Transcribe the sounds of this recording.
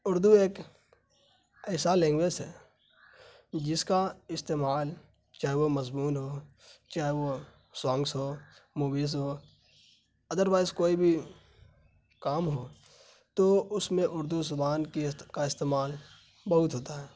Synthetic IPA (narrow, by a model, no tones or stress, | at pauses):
ʊɾd̪ueːk | ɛːsalẽːŋɡweːsɦɛː | d͡ʒɪskaɪst̪eːmaːl | t͡ʃaːɦeʋomɐzmuːnɦoː | t͡ʃaːɦeʋo | swãːŋɡsɦoːmuːbiːzɦoː | ɐd̪əɾʋaːɪzkoːibʱi | kaːmɦoː | t̪oʊsmẽʔʊɾd̪uzʊbaːnkikaɪst̪eːmaːl | bɐɦʊt̪ɦoːt̪aɦɛː